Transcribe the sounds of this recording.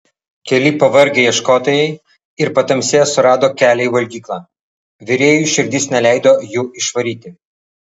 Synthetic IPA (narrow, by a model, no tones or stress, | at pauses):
kʲɛlʲɪpɐʋɐɾʲɡʲɛjiɛʃkoːt̪ɐjɛɪ | ɪɾpɐt̪ɐmʲsʲeːsʊɾɑːd̪oːkʲæːlʲɛɪʋɐlʲɡʲiːklˠɑː | ʋʲɪɾʲeːjuːˑʃʲɪɾʲd̪ʲɪsnʲɛlʲæˑɪd̪oːjuːɪʃʋɐɾʲiːt̪ʲɪ